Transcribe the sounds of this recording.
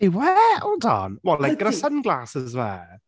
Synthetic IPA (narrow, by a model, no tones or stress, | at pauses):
ewɛodɔ̰nwɛllːaɡəɾəsənnɡlˠaːsɪzwɛ̰